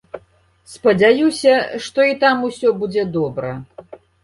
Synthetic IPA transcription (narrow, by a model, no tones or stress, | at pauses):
spɐd͡zʲajusʲɐʂt̪ɔit̪amusʲɔbud͡zʲɛd̪ɔbɾɐ̰